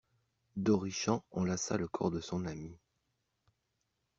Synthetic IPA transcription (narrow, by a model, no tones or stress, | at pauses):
d̪ɔʁiʃɑ̃ɑ̃lasa̰ləkʰɔ̰ʁd̪əsɔ̃nami